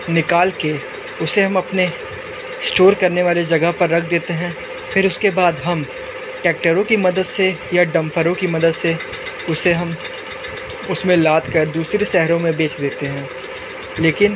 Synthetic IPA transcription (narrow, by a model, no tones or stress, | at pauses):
nɪkaːlke | ʊseɦɐmɐpne | sʈoːɾkɐɾneʋaːled͡ʒɐɡəɦpɐɾːɐk̚ʰd̪eːt̪eɦɛ̃ː | fʰɪɾʊskebaːd̪ɦɐm | ʈɛːk̚ʈəɾõkimɐd̪əd̪sejaɖɐ̃mfʰəɾõkimɐd̪əd̪se | ʊseɦɐm | ʊsmẽlaːt̪kɐɾd̪uːsɾeʃɛɦɾõmẽbeːt͡ʃd̪eːt̪eɦɛ̃ː | leːkɪn